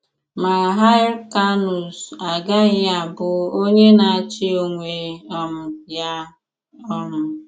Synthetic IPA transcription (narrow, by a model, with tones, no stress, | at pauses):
ma˨ɾa˨ɦa˦ɪ˦ɾka˦nu˨sa˨ɡa˦ɣɪ˦a˨bʊ˦o˦ɲe˦na˨a˦t͡ʃɪ˦o˦ŋʷe˨ɔ˦mʊ˨ja˦ | ɔ˦ɾɔ˨